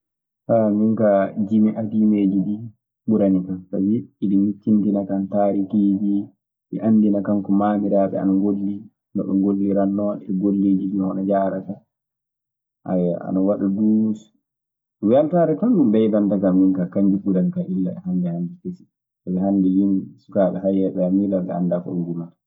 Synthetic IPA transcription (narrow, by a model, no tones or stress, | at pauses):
tamiŋkad͡ʒimiʔadimeːd͡ʒiɗi | ɓuɾanikata̰wiiɗimit͡ʃːintinakantaːɾikiːd͡ʒi | ʔɛ̰ʔandinakaŋkɔmaːmiɾaːɓɛ̰a̰naŋɡolːi | nɔ̰ɗuŋɡolːiɾanːɔnɛɡolːeːd͡ʒiɗihɔnad͡ʒaɾata | ʔa̰a̰nawaɗudus | wialtaɾɛtɔnɗumbɛjdantakamjinkakaɲd͡ʒiɓuɾanikaʔilːaɛɦandɛhandɛkesi̥ | tabɛhandɛjinsu̥kaːɓɛɦajːɛɓɛamilaɓɛ̰a̰ndafɔ̰ŋɡuma